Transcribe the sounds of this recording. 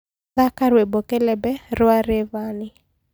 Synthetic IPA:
akaɾwebokelɛbɛɾʊaɾevanɪ

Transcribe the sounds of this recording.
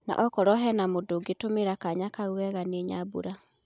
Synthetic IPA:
na̰ʔɔkɔɾɔɦɛnamodoɡetomeɾakaɲakauwɛɣaneɲabṵɾa

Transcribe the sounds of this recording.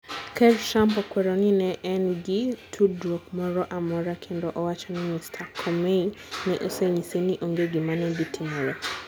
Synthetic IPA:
kɛɾʃampɔkwɛɾɔninɛʔɛnɡitʰudɾɔkmɔɾɔʔamɔɾakʰɛndɔʔɔwat͡ʃanimistʰakʰɔmɛinɛʔɔsɛɲisiniʔɔŋɡɛɡimanɛbitʰimɔɾɛ

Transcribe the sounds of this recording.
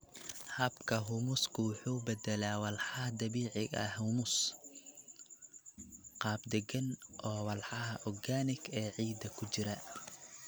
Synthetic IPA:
hɐbkʰɐɦʊmʊskʰʊwʊħuːbɛd̪ɛlaːwɑlħɑd̪ɐβiːʕɪɣɐ̰hʊmʊs | qɑːb̚d̪ɛɡɐnʔɔːwɑlħɑɦɐʔɔrɡaːnɪɡɛːʕiːd̪ɐkʰʊt͡ʃɪɾɐ

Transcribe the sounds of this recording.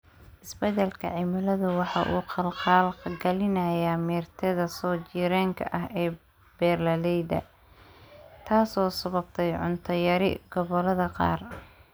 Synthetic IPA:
ʔɪsbɛdɛlkʰɐ̰ʕɪmɐlɐðʊwɑħɑʔṵːqɑlqɑːlɡɐlɪnɐjamɛːrt̪ʰɛðɐsɔːt͡ʃiːɾɛːŋkʰɐ̰ʔɐɦɛː | b̥ɛːrlɐlɛjdɐ̰ | t̪ʰaːsɔːsɐβɐb̚t̪ʰɛjʕʊ̰nt̪ʰɐjɐɾɪ̰ɡɔβɔlɐðɐqɑ̰ːr

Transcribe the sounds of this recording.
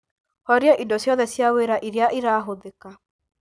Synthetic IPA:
hɔɾjaʔindosjɔðɛsjaweːɾaʔiɾeaʔiɾaːɦoðeka

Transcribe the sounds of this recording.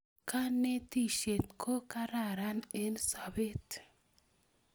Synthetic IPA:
kanːet̪iʃet̪kʰokaɾaɾanensabet̪

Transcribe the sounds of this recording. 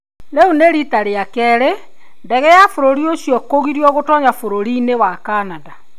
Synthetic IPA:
neuneɾitaɾeakɛɾe | ndɛɣɛjafoɾoɾiosjɔkoɣiɾiɔɣotɔɲafoɾoɾinewakanada

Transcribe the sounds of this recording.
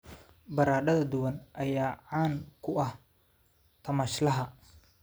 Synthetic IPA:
bɐɾaːɖɐðɐd̪ʊwɐnʔɐjaːʕaːŋkʰʊɐh | t̪ʰɐmɐʃlɐɦɐ

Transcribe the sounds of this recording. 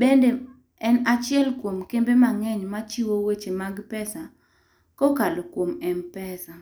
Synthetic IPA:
bende | ɛnat͡ʃɪɛlkwomkembemaŋɛɲmat͡ʃiwowet͡ʃemaɡpɛsa | kɔkalokwomɛnpɛsa

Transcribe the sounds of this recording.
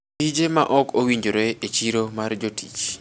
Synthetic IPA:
id͡ʒemaʔɔkʰowiɲd͡ʒoɾeet͡ʃiɾomard͡ʒotḭt͡ʃ

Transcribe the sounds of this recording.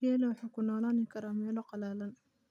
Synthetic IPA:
jaːlɛwɑħaːkʰʊnɔːlaːnɪkʰɐɾaːmɛːlɔqɑlaːlɐn

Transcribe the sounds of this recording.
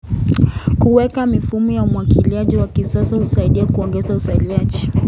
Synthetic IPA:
kuwɛkamifumɔjaumwakiliaʄiwakisasahusaiɗiakuɔŋɡɛzausailiaʄi

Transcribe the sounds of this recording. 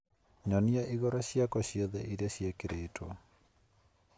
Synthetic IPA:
ɲɔniaʔiɣɔɾɔɕjakɔɕjoðɛʔiɾaɕjekeɾeːtʰwo̰

